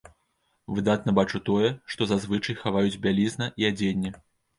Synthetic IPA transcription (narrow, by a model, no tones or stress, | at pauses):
vɨd̪at̪̚nɐbat͡ʂut̪ɔjɛʂt̪ɔzazvɨt͡ʂɐjxavajud͡zʲbʲalʲiznɐʔiad͡zʲenʲːɛ